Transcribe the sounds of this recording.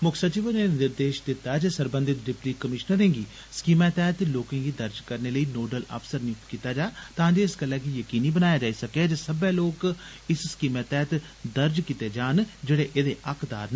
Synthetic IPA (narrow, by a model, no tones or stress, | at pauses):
mʊkʰsət͡ʃiːʋənenɪɾd̪eːʃd̪ɪt̪ːaːd͡ʒeːsəɾbə̃nd̪ɪt̪ɖɪpliːkːəmɪʃnəɾẽːɡiː | skiːmɛ̃ːt̪ɛːt̪loːkẽːɡiːd̪əɾd͡ʒkəɾneːləiːnoːɖələ̰ːpʰsəɾnikiːt̪aːd͡ʒaːt̪ãːd͡ʒeːɪskəlːɛ̃ːkijəkiːniːbənaːjaːd͡ʒaːiːsəked͡ʒəsəbɛ̃ːloːk | ɪsskiːmɛ̃ːt̪ɛːt̪ | d̪əɾd͡ʒkit̪eːd͡ʒaːnd͡ʒeːɽeːʔeːd̪eːʔəkʰd̪a̰ːɾn